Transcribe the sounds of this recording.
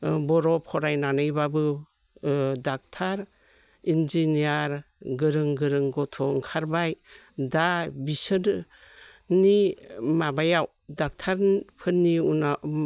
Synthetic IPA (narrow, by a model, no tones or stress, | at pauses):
bɔɾɔpʰɔɾajnanɯjbabɯ | dak̚tʰaɾ | ind͡ʒinijaɾ | ɡɯɾɯŋɡɯɾɯŋɡɔtʰɔŋkʰaɾbaj | dabisɯɾ | nimabajaw | dak̚tʰaɾpʰɯnniuna